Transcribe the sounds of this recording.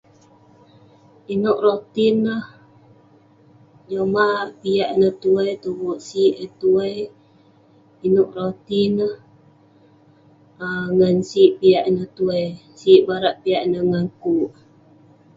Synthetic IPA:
inoʔrot̪inəh | d͡ʒomapijaʔnət̪uəjt̪ubuʔsiʔət̪uəj | inoʔɾot̪inəh | əŋansiʔpijaʔnəht̪uəj | siʔbaɾaʔpiaʔnəhŋaŋkuʔ

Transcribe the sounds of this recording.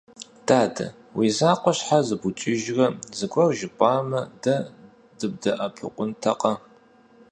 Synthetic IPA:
d̥ʰaːdʰɐ̰ | wiːzaːqʷʼɔɕħazɨbut͡ʃʼɪʒrɐzɨkʷʼɔrʒɪpʷʼɑːmɐdɐ | dɨb̚dɐʔɐpʰʊ̰qʷʊntʰɐqʼɐ

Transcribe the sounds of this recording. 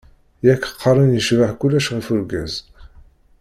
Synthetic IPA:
jækːə̥qʰːɑɾˤənjəʃvaħkulːæʃʁəfuɾɡæ̰z

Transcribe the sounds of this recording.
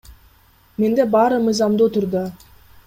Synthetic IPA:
me̞nd̪e̞bɑɾɯmɯjzɑmd̪ut̪ʊɾd̪o

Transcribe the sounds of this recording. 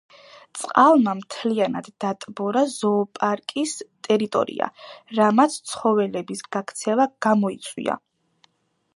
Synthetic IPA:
t̪sʼqʼalˠmamt̪ʰlianad̪ːat̪ʼbɔɾazɔːpʼaɾkʼist̪ʼɛɾit̪ʼɔ̰ɾḭa̰ɾamat̪sʰt̪sʰχɔvɛlɛbisɡ̥akʰt̪sʰɛvaɡ̥amɔit̪sʼwḭa̰

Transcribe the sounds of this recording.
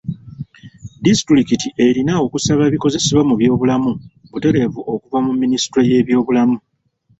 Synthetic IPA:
distɾikitiʔe̞ɾinao̞kusaβaβiko̞ze̞seβamuβjo̞ːβulamu | βute̞ɾe̞vuʔo̞kuvamumːinisi̥tɾo̞je̞ːβjo̞ːβulamu

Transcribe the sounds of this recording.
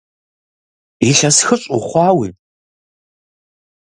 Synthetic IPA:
iɬɐsxɨɕʼʊχʷɑːwiː

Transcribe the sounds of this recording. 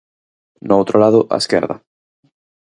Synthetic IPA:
noowt̪ɾolaðʊʔa̰eskɛ̰ɾðɐ̰

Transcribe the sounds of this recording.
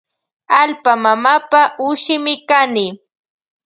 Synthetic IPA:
alpamamapaʔʊʃɪmɪkanɪ

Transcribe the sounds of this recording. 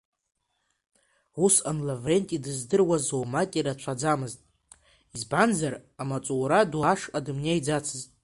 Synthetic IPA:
usanlavre̞ntʼidɨzdɨrwazowmakʲʼiɾat͡ʃʷʰad͡zamɨztʼ | izbanzaramat͡sʷʼuwɾadwaʂkʼadɨmnʲejd͡zat͡sʰɨztʼ

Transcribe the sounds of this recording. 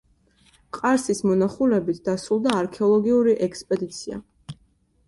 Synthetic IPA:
qʼaɾsismɔnaχulɛbit̪ʰd̪̥asɾulˠd̪aːɾkʰɛɔlˠɔɡiuɾiʔɛkʰspʼɛd̪it̪sʰia̰

